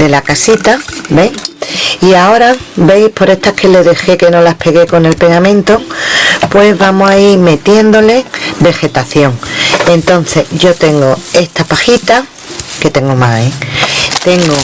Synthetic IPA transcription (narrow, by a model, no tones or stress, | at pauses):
d̪e̞lakasit̪abe̞ŋiao̞ɾa | be̞jpo̞ɾe̞st̪akʰe̞leðe̞xe̞ke̞no̞lahpʰe̞ɣe̞ko̞ne̞lpe̞ɣamẽ̞nt̪o̞pwe̞zβamoaiɾme̞t̪je̞nd̪o̞le̞be̞xe̞t̪aθjo̞ŋe̞nt̪o̞n̟θe̞ʝo̞t̪e̞ŋɡo̞e̞st̪apaxit̪a | ke̞t̪e̞ŋɡomaet̪e̞ŋɡo̞